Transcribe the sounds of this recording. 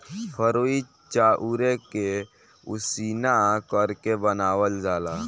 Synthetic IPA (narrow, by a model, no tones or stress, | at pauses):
pʰəɾoːi | t͡ʃaːʔuɾeke | ʊsiːnakəɾkebənaːwəld͡ʒaːlaː